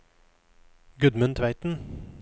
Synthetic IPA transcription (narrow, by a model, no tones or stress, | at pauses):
ɡʉd̪mʉnt̪ʰʋæɪt̪n̩